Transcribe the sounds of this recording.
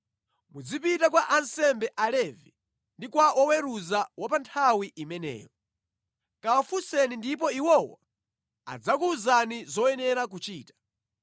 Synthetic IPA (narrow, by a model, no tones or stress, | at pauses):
mud͡zipitak̬waʔansɛmbɛʔalɛvi | ndikwaʔɔwɛɾuzawapantʰawiʔimɛnɛ̰ːjɔ | kawafusɛnindip̬ɔiwɔwa | a̰d͡zak̬uzanizɔɛnɛɾak̬ut͡ʃiːtḁ